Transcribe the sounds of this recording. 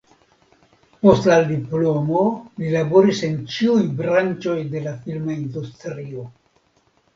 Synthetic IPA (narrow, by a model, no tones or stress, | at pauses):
po̞staldiplo̞mo̞lilabo̞ɾise̞nt͡ʃiujbɾant͡ʃo̞jde̞lafilmaindustɾio̞